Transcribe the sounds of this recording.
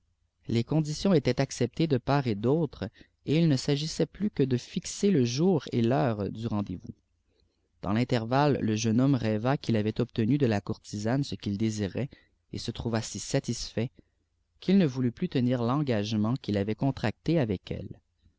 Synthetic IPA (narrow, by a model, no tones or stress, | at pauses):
lekɔ̃d̪isjɔ̃et̪ɛt̪aksɛp̚t̪ed̪əpaʁed̪ɔt̪χ | eilnəsaʒisɛplykəd̪əfikseləʒuːʁḛlœːʁd̪yʁɑ̃d̪ḛvṵ | d̪̥ɑ̰̃lɛ̃t̪ɛʁvalːəʒənɔmʁɛvakʲilavɛt̪ɔp̚t̪ənyd̪əlakuʁt̪ʰizansəkʲild̪eziʁɛ | ḛsət̪χuvasisat̪isfɛ | kʲʰilnəvulyplyt̪əniːʁlɑ̃ɡaʒmɑ̃kʲilavɛkɔ̃t̪χak̚t̪eavɛkʰɛ̰l